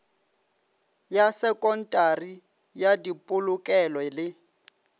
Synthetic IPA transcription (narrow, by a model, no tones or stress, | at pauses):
jasɛkʼɔn̩tʼari | jadipʼʊlʊkʼɛlɔlɪ